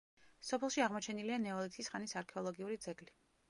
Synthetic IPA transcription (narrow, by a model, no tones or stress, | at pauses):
sɔpʰɛlˠʃiaʁmɔt͡ʃʰɛnilianɛɔlit̪ʰisχanisaɾkʰɛɔlˠɔɡiuɾid̪zɛɡʼli